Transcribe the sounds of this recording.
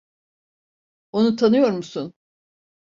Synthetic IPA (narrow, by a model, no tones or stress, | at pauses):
o̞nut̪ʰanɯjo̞ɾmusun